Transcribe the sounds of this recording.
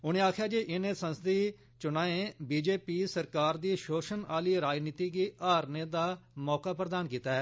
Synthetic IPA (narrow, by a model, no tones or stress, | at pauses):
ʊñẽːaːkʰjaːd͡ʒeːʔɪnẽːsə̃nst̪iː | t͡ʃʊnãːẽːbiːd͡ʒeːpiːsəɾkaːɾd̪iːʃoːʃənaːliːɾaːd͡ʒniːt̪iːɡiːaːɾnẽːd̪aːmɔːkaːpɾəd̪aːnkiːt̪aːɦɛː